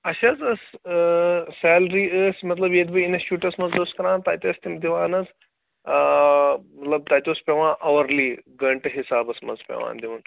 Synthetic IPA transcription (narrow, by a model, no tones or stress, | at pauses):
ɐʃɐːt͡sɐs | sɛːlɾiːəːsmɐt̪lɐbjed̪bɨinɐst͡ʃuːʈɐsmɐnzoːskɐɾãːnt̪aːt̪ʲɐːst̪imd̪iʋaːnɐt͡sː | mɐt̪lɐb̚t̪aːt̪ʲoːspʲeʋãːʔɐʋɐɾliːɡɐɳʈɦisaːbɐsmɐ̰nzpʲḛʋa̰ːnd̪iʋɐn